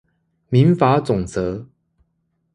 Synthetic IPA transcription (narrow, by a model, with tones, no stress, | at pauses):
mi˨˦nfa˧˥˦t͡sʊ˨˩ŋt͡sɤ˧˦